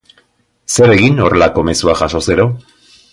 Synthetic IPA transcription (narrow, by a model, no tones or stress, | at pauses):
se̞ɾe̞ɣino̞re̞lako̞me̞suaʝaʃo̞se̞ɾo̞